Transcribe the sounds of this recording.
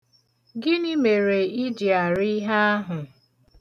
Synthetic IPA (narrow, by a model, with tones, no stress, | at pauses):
ɡɪ˦nɪ˦me˨ɾe˨i˦d͡ʒi˨a˨ɾɪ˦ɦa˦a˦ɦʊ˨